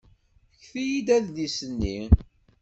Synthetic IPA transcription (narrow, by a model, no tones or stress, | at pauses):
çθijid̪æðlisənːi